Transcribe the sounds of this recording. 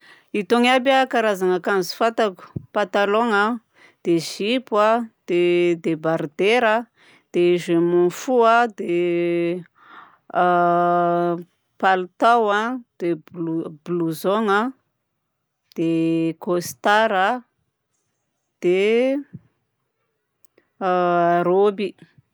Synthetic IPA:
it̪oŋabjakaɾazaŋakanzu̥fat̪aku̥pat̪aloŋa | d̪̥eʒipwad̪̥ed̪ebaɾd̪eɾə | d̪̥eʒemonfuad̪e | palut̪awad̪̥ebluzoŋə | d̪̥ekost̪aɾa | d̪̥e | aɾobi

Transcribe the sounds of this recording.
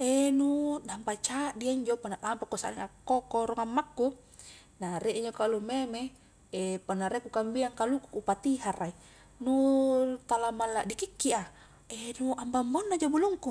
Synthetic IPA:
enudampat͡ʃaʔdiaiɲd͡ʒopanaʔampakusa̰niŋakːokoɾɔŋamːakːu | naɾeʔiɲd͡ʒokalumeme | epanːaɾekukambiaŋkalukukupat̪iɦarai | nut̪alamalːaʔdikikːia | enuambambonːad͡ʒabuluŋku

